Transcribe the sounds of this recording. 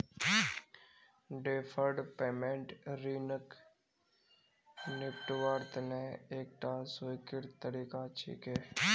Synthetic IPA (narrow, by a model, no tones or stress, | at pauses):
ɖeːfʰəɾɖpeːmẽɳʈɾiːnək | nɪkʈʋaːɾt̪əneeːk̚ʈaːsoːjkɪɾt̪əɾiːkat͡ʃʰḭːkɛː